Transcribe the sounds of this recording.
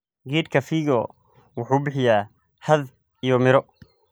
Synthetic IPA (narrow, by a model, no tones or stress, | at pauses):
ɡiːd̪kʰɐfiːɣɔ | wʊħuːbɪħɪjaː | hɐð | ijɔmɪɾɔ